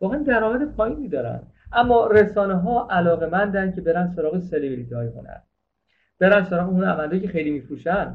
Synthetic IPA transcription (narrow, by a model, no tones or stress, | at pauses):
vɒːɣeænd̪æɾɒːmæd̪epʰɒːjiːniːd̪ɒːɾæ̰nd̪̥ | ʔæmːɒːɾesɒːneɦɒːʔælɒːɣe̞mænd̪æn̥cʰe̞be̞ɾænd̪so̞ɾɒːɣeselevilit̪ʰɒːjxonæ̰n | b̥e̞ɾænsoɾɒːɣeunævænd̪ɒːjcʰe̞xejliːmiːfɾuːʃæn